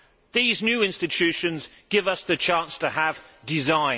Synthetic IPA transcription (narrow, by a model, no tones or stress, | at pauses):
ðiːznjʉːɪ̃nstɪt͡ʃʰʉˑʃə̃nzɡ̥ɪvʌsðət͡ʃʰɑ̃ˑnstʰəəvdɪzãɪ̃